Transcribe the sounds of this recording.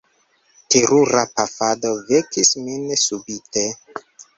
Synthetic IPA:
teɾuɾapafado̞vekisminsubite

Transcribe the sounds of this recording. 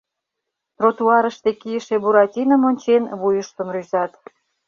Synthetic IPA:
rot̪uɑɾəʃt̪ekijəʃebuɾɑt̪ʲinə̆monʲt͡ɕenβujəʃt̪əmryzɑt̪

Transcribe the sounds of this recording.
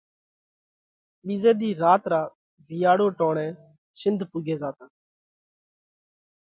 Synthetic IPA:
ɓiːzɛːd̪iːɾaːt̪ɾaː | bʱɪjaːɽoːʈɔ̃ːɽ̃ɛ̃ː | sɪ̃nd̪ʱpʊɡeːzaːt̪ãː

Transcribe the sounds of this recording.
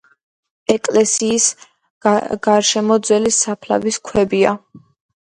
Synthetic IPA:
ɛkʼlɛsiːs | ɡ̥aɾʃɛmɔd̪zwɛlisapʰla̰viskʰwɛbia̰

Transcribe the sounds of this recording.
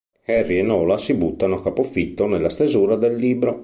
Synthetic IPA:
ɛrːienɔːlasibut̪ːanokapofit̪ːonelːast̪ezuːɾad̪elːiːbɾo

